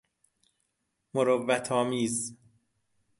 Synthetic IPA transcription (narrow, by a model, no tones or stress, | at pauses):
moɾovːæt̪ʰɒːmiːz